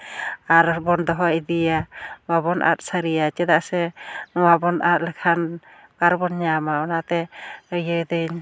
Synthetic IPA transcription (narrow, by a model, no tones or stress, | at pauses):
aɾbɔnd̪ɔɦɔʔid̪ijababɔnʔa̰t̪̚saɾijat͡ʃɛd̪aʔsɛnɔwabɔnʔat̪̚lɛkʰan | kaɾbɔnɲamaɔnat̪ɛəjəd̪ɯɲ